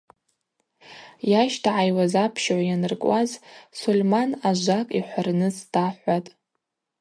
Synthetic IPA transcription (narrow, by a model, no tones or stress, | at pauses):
jaʃtʰaʕajwazapʰʃʕʷajanɨrkʷʼazsulʲmanaʒʷakʼiħʷarnɨsdʰaħʷatʼ